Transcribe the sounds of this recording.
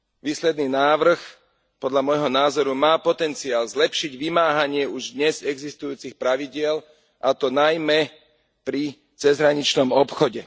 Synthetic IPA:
ʋiːslɛd̪niːnaːʋr̩x | pɔd̪ʎamɔjɦɔnaːzɔɾumaːpɔt̪ɛnt͡siaːlzlɛpʃiɟʋimaːɦaɲɪɛuʒd̪ɲɛzɛɡzist̪ujuːt͡sixpɾaʋiɟɪɛl | ʔat̪ɔnajmɛ | pɾi | t͡sɛzɦɾaɲit͡ʃnɔmɔpxɔɟɛ

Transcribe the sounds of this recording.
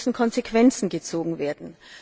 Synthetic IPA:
ʃn̩kʰɔnzekv̥ɛnt͡sn̩ɡət͡soːɡŋ̩veːɐdn̩

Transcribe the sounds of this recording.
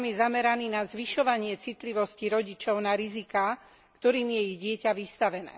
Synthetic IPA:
mjɛzamɛɾaniːnazʋiʃɔʋaɲɪɛt͡sit̪liʋɔsciɾɔɟit͡ʃɔʊnaɾizikaː | kt̪ɔɾiːmjɛiɣɟɪɛcaʋist̪aʋɛnɛ̰ː

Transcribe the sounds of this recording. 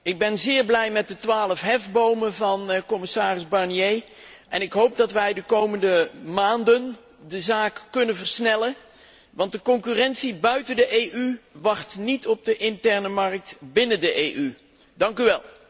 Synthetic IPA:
ɪɡ̚bɛnzɪːɹblɛjmɛt̚dətʋaːləfɦɛvbowməvɑnkɔmɪsaːrɪzbɑɹnjej | ʔɛnɪkɦowp̚dɑtʋɛjdəkowməndəmaːndən | dəzaːkkːɵnənvəɹsnɛlə | ʋɑntdəkɔŋkyːrɛntsibœɥtəndəʔejʔyʋɑχtnitɔb̚dəʔɪntɛɹnəmɑrk̚tbɪnəndəʔeʔy | dɑŋkyʋɛlˠ

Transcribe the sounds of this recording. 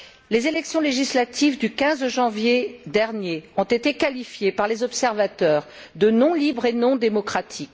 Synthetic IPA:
lezelɛksjɔ̃leʒislat̪ʰivd̪ykʲɛ̃zʒɑ̃vjed̪ɛʁnjeɔ̃t̪et̪ekalifjepaʁlezɔpsɛʁvat̪œːʁd̪ənɔ̃libʁenɔ̃d̪emɔkχat̪ʰik

